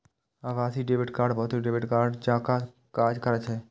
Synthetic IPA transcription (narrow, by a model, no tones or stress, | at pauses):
aʋaːsiɖebɪʈkaːɾɖbʱɔɦt̪eɖeːbɪʈkaːɾɖd͡ʒãːka | kaːɾd͡ʒkəɾɛt͡ʃʰɛ